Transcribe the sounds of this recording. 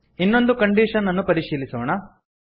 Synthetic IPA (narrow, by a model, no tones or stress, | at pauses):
inːo̞nd̪ukɐɳɖiːʂɐnːɐnːupɐɾiʂiːlisɐʋɐɳɐ